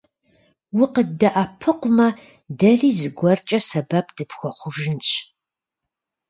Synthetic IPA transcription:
wʊqədɐʔapʰɨqʷʊmɐ | dɐriːzɨɡʷɔrt͡ʃʼɐsɐbɐp̚ʰd̥ɨpxʷɔχʷʊʒɪnɕʰʼ

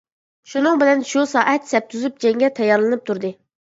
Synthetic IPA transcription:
ʃunɨŋbɪlɛnʃusɑːʔɛt̪sɛp̚t̪ʰuzyp̚d͡ʒɛŋɡʲɛt̪ʰɛjːɑɾlˠɨnɨp̚t̪ʰuɾd̪ɨ

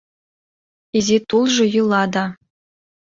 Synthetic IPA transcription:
izʲet̪ulˠʐɤ̆julˠɑd̪ɑ

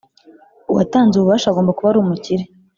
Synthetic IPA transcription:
uwa̰taːnzuβuβaːʃaaɡombakuβaɾuːmuciɾe

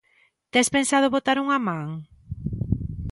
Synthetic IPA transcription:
t̪ɛspensað̞ʊβot̪aɾuŋamãŋ

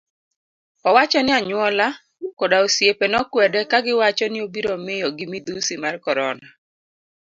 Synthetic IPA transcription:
ɔwat͡ʃɔnɪaɲwɔla | kɔdaosjepenɔkwɛdɛkaɡɪwat͡ʃɔnɪobiɾɔmɪjɔɡɪmid̪usimarkɔɾɔna

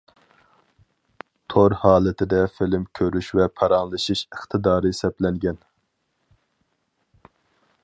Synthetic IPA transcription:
t̪ʰoɾhɑːlˠɪt̪ʰɪd̪ɛfɪlɪmkʲʰøɾyʃvɛpʰɑɾɑŋlˠɨʃiʃəχt̪ʰɨd̪ɑːɾɨsɛplɛŋɡʲɛn

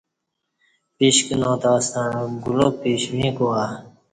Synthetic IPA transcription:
piɕkinõːt̪aːst̪ãnɡulopiɕmĩkoa

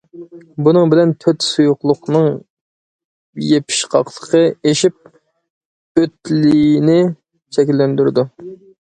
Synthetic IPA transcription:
bunɨŋbɪlɛnt̪ʰøt̪sujʊqlˠʊqnɨŋ | jepʰi̥ʃqʰɑqlˠə̥qʰəeʃip̚ | øt̪lɪjnɪ | t͡ʃʰɛkʲilːɛnd̪yɾɪd̪u

